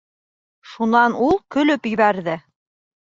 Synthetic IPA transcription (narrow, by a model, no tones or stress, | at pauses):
ʃunɑnulˠkɵ̆lɵpjɘ̆βæɾðɘ